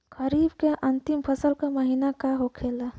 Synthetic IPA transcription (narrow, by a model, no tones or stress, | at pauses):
kəɾibkeʔənt̪impʰəsəlkaməɦinakaɦokʰela